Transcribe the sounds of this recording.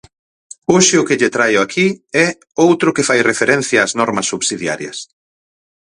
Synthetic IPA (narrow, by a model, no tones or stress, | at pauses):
oʃɪʊkɪʎet̪ɾajʊakʰiɛ | owt̪ɾʊkɪfajrefeɾɛ̃n̟θjaːznɔɾmɐsːuβsiðja̰ɾjɐ̰s